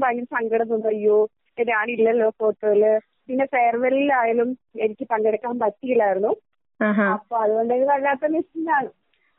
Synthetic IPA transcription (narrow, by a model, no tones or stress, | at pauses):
baɲːumsɐŋɡɐɽɐnːunɐjo | enːaːɳilːɐlːo̞ːfo̞ːʈːoːilɨ | pinːeseːrʋɐlilaːjaːlume̞nikʲːɨpɐŋɡɐɽɐkːaːmbɐt̪ːijiɭaːjɾunːuː | ɦaɐpːoːɐðuɣo̞ɳɖɨeðɨkɐɭːaːt̪ːɐmisinːaːɳɨ